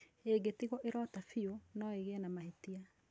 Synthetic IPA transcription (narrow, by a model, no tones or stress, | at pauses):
eɡetiɣɔʔeɾɔtafionɔeɣeɛnamahetia